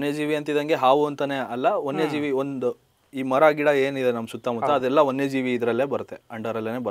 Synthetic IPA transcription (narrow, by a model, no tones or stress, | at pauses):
nːe̞ːd͡ʒiːʋiɐnt̪id̪ɐŋɡeɦaːʋuɐnt̪ɐne̞ɐlːɐonːe̞ːd͡ʒiːʋiond̪ | iːmɐɾaːɡiɽɐeːnid̪e̞nɐmsut̪ːamɐt̪ːɐɐd̪ɛlːɐonːe̞d͡ʒiːʋiːd̪ɾɐlːeːbɐɾt̪ːeɐɳɖɐɾɐlːene̞ːbɐɾ